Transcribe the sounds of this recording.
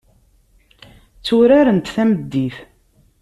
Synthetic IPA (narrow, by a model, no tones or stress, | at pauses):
t͡sːʊɾaɾənt̪θæməd̪ːiθ